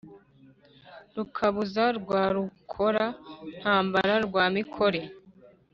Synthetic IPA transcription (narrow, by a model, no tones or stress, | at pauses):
ɾukʰaβuzaɾɡwaːɾukʰo̞ɾan̥haːmbaɾaɾɡwaːmikʰo̞ɾe̞